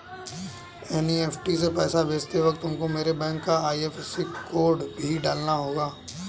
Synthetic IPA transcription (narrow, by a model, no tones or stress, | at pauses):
ɛːnieːpʰʈis̬epɛːsabeːst̪eʋɐk̚t̪ʊmkomeːɾebɛ̃ːŋkːaaːieːfesikoːɾɖbʱiɖaːlnaɦoːɡaː